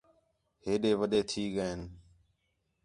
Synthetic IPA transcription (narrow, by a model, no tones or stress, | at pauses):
ɦeːɗeːʋəɗ̪eːt̪ʰiːɠəeːn